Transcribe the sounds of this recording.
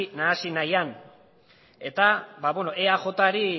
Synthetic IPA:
naːsinajan | e̞t̪abaβweno̞ʔeaʝo̞t̪aɾi

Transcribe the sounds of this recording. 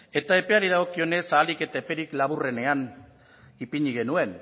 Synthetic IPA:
e̞t̪ae̞pe̞aɾiðaɣ̞o̞kio̞ne̞saːlike̞t̪ae̞pe̞ɾiklaβure̞ne̞an | ipiɲiɣ̞e̞nue̞n

